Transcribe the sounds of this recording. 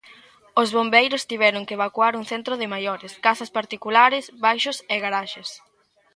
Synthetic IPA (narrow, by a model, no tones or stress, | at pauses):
ozβombejɾʊst̪iβɛɾʊŋkeβakwaɾuŋθent̪ɾoðɪmajɔɾɪskasaspaɾt̪ikulaɾɪsβajʃʊseɣaɾaʃes